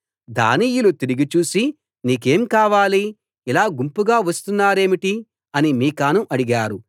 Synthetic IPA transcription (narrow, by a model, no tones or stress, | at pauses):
d̪a̰ːnijulut̪iɾiɡit͡ʃuːsi | niːke̞ːmkaːʋaːli | ilaːɡumpuɡaːʋɐst̪unːaːɾe̞ːmiʈi | ɐnimiːkaːnuʔɐɽiɡaːɾu